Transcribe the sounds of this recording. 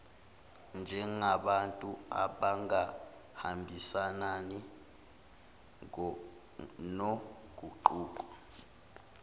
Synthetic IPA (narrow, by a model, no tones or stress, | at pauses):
nd͡ʒʱɛŋaɓantʼua̰ɓaŋa | hambʱisanani | no | ɡ̬ʱʼuǃuːk̬ɔ